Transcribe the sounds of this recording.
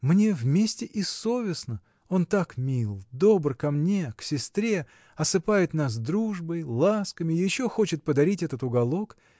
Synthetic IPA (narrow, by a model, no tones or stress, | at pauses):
mnʲe̞vmʲesʲtʲɪʔɪso̞vʲɪsnə | o̞nt̪akmʲilˠd̪o̞brkɐmnʲe̞ksʲɪst̪ɾʲe̞ | ɐsɨpajɪt̪nas̬d̪ɾuʐbəjlˠaskəmʲɪjɪɕːo̞xo̞t͡ɕɪt̪̚pəd̪ɐɾʲitʲɛt̪ət̪ʊɡɐlˠo̞k